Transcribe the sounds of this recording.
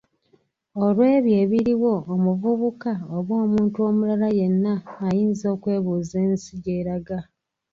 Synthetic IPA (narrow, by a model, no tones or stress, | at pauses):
o̞lwe̞ːβje̞ːβiɾiwo̞ːmuvuβukaoβwo̞ːmuːntuo̞mulalaje̞nːaːjiːnzo̞ːkwe̞ːβuze̞ːnsiɟeɾaɡa